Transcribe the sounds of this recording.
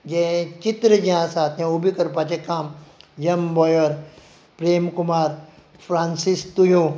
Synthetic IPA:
d͡ʒẽt͡ʃɪt̪ɾəd͡ʒiɦãsaːt̪ʰẽubʱikɐɾp̬aːt͡ʃekaːmjɐmbɔːjəɾ | pɾeːmkʊmaːɾ | pʰɾãːnsist̪ujõː

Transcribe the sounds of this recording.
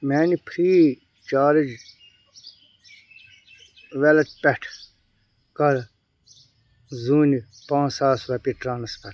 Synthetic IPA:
mɛːnipʰɾiː | t͡ʃaːɾəd͡ʒ | ʋɛlɐt̪̚pɛʈʰ | kɐɾ | zuːni | pãːsaːsʋɐpiʈɾaːnɐspʰɐ

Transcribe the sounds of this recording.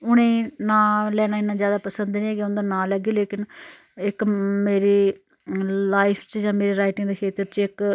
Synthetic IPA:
ʊɽ̃ẽːnãːlɛːɽ̃ãːɪnːãːzjaːd̪aːpəsənd̪nĩːeːɡeʊnd̪ãːnãːləɡeːleːkɪn | ɪkmeːɾeː | laːɪpʰt͡ʃd͡ʒãːmeːɾeːɾaːɪʈɪ̃ŋɡd̪eːkʰeːt̪əɾt͡ʃɪk

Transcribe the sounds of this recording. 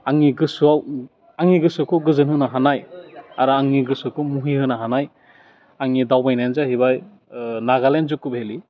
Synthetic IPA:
aŋiɡɯsuaw | aŋiɡɯsɯkʰɯɡɯzɯnɦɯnaɦanajaɾɯaŋːiɡɯsɯkʰɯmuɦihɯnaɦanaj | aŋidawbajnajnzahibaj | naɡalenzukːubheli

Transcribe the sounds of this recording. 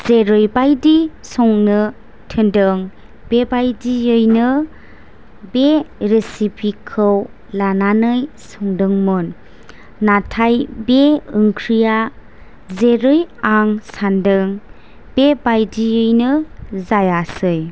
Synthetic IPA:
z̥eɾɯjbajdisɔŋnɯ | tʰɯndɯŋ | b̥ebajdiɯjnɯ | beɾesipʰikʰːɯw | lananɯj | sɔŋdɯŋmɯnː | atʰajbeɯŋkʰɾija | zeɾɯjaŋsandɯŋ | bebajdijɯjnɯzajasɯj

